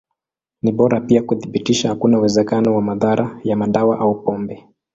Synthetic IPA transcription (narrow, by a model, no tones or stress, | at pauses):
niɓɔɾapiakuθiɓitiʃahakunauwɛzɛkanɔwamaðaɾʔajamaɗawaʔaupɔmbɛ